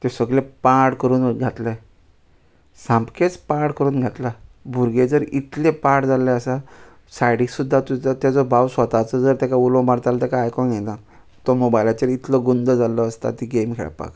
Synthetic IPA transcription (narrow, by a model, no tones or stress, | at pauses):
t̪esəɡlepaʈkəɾuːnɡʱat̪le | sãmpket͡spaɾʈkəɾuːnɡʱat̪labʱuɾɡed͡zəɾit̪lẽpaɾʈd͡zaleəsa | sajɽiksud̪ʱːat̪uat̪jad͡zɔbʱawsʋət̪at͡səd͡zəɾt̪akaulõmaɾt̪alat̪akaːjkɔnɡena | t̪ɔmobajlat͡ɕeɾit̪ləɡund̪əd͡zaləːst̪a̰t̪iɡemkʰɛ̰ɭa̰pa̰k